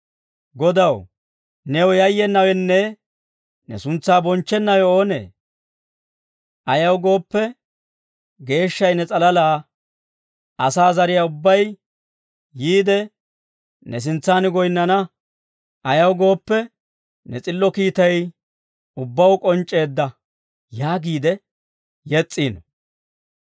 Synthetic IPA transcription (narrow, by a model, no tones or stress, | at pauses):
ɡɔd̪ɐw | nɛwjɐjːɛnːɐwɛnːɛ | nɛ̰sʊnt͡sːaːbɔnt͡ʃːɛnːɐwɛoːnḛː | ʔɐjɐwɡo̞ːpːɛ | ɡe̞ːʃːɐjnɛt͡sʼɐlɐlaː | ʔɐsaːzɐɾɪjaʊbːɐj | jiːd̪ɛ | nɛs̬ɪnt͡sːaːnɪɡɔjɪnːɐnɐ | ʔɐjɐwɡo̞ːpːɛ | nɛt͡sʼɪlːɔkiːt̪ɐj | ʊbːɐwkʼɔnt͡ʃʼːe̞ːd̪ːɐ | jaːɡiːd̪ɛ | jɛt͡sʼːiːn